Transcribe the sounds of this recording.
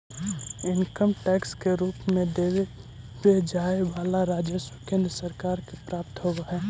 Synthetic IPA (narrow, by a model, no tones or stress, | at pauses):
ɪnkəmʈɛːkskeɾuːpmẽd̪eːwe | bed͡ʒaːeʋaːlaɾaːd͡ʒjəswəkẽnd̪ɾsəɾkaːɾkepɾaːp̚t̪ɦowaɦɛː